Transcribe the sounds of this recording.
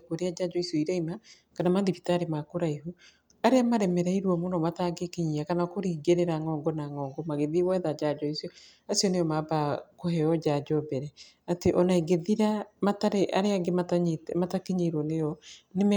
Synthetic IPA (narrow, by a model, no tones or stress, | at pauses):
kwoɾead͡ʒad͡ʒɔisjoiɾɛima | kanamaðdipitaɾemakoɾaiɦu | aɾeamaɾɛmɛɾɛiɾwɔmonɔmataɡekeɲiakanakoɾiɡeɾeɾaŋɔːŋɡɔnaŋɔːŋɡɔmaɣeðiwɛðad͡ʒad͡ʒɔisiɔ | asiɔnejɔmabakohɛɔd͡ʒad͡ʒɔbɛɾɛ | ateʔɔnaiɡeðiɾamataɾeʔaɾeaŋɡemataɲtmatakeɲeiɾwɔnejɔnem